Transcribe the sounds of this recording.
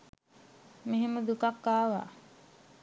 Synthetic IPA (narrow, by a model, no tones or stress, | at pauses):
meɦeməd̪ukakːaːʋa̰